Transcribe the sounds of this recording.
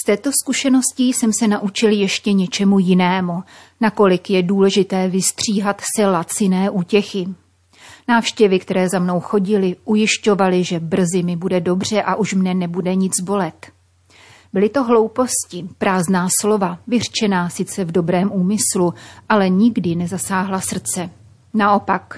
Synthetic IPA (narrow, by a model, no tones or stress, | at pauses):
st̪ɛːt̪o̞skuʃɛno̞scisɛmsɛnaʔut͡ʃɪljɛʃcɛɲɛt͡ʃɛmujɪnɛːmu | nako̞lɪkjɛduːlɛʒɪt̪ɛːvɪst̪r̝̥iːɦat̪sɛlat͡sɪnɛːʔuːcɛxɪ | naːfʃcɛvɪkt̪ɛɾɛːzamno̞wxo̞ɟɪlɪʔujɪʃco̞valɪʒɛbr̩zɪmɪbudɛdo̞br̝ɛʔaʔuʃmnɛnɛbudɛɲɪd͡zbo̞lɛt̪ | bɪlɪt̪o̞ɦlo̞wpo̞scɪpɾaːznaːslo̞vavɪr̝̥t͡ʃɛnaːsɪt͡sɛvdo̞bɾɛːmʔuːmɪsluʔalɛɲɪɡdɪnɛzasaːɦlasr̩t͡sɛ | naʔo̞pak